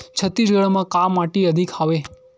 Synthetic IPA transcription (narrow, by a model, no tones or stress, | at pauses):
t͡ʃʰət̪ːisɡəɭmãkamːaʈiəd̪ʱikaʋe